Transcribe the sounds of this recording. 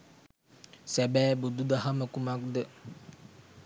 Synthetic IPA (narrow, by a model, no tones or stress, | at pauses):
sɛbɛːbud̪ud̪aɦaməkumak̚d̪ə